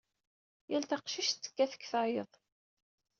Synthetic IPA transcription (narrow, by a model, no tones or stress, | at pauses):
jælt̪ɑqʃiʃt͡sːə̥kːæθə̥kːθɑjəðˤ